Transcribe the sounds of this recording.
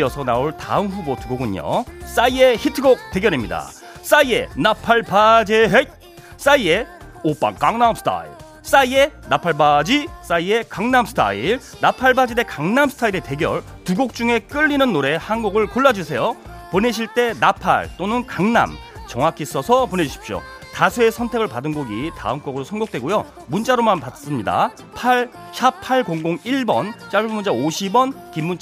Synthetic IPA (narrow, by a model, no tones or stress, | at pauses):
jʌsʰʌnaoɭta̰ɯmɸubotuɡoɡɯɲo̰s͈aieçitʰɯɡok̚t͈e̞ɡjʌɾimɲida̰ | s͈aie̞̰napʰaɭpad͡ʑeɦet̚ | s͈aie̞ | op͈a̰ŋkaŋnamsʰtʰa̰ḭ | s͈aie̞napʰaɭbad͡ʑis͈aie̞kaŋnamsʰtʰa̰ḭɭ | napʰaɭbad͡ʑide̞kaŋnamsʰɯ̥tʰaiɾe̞te̞ɡjʌ̰ɭ | tuɡok̚t͡ɕ͈uŋe̞k͈ɯʎːinɯnːoɾe̞hanɡuɡɯɭkoɭːad͡ʑusʰe̞jo | pone̞ɕ̬ʰiɭt͈e̞napʰa̰ɭt͈onɯnkaŋna̰mt͡ɕʌŋakʰis͈ʌsʰʌpone̞d͡ʑuɕʰi̥pɕ͈o̰ | tasʰuesʰʌntʰe̞ɡɯɭpadɯnɡoɡita̰ɯmk͈ʌɡɯɾosʰʌnɡok̚t͈we̞ɡojo | munt͡ɕ͈aɾomanpats͈ɯmɲida̰ | pʰaɭ | ɕʰapʰaɭkoŋɡoŋiɭbʌnt͡ɕ͈aɭbbumunt͡ɕaoɕʰibʌnkimːunt͡ɕ͈a